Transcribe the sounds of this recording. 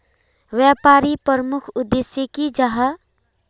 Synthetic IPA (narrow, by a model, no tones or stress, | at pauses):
ʋjaːpaːɾipəɾmʊkʰʊd̪ːesjekid͡ʒaɦa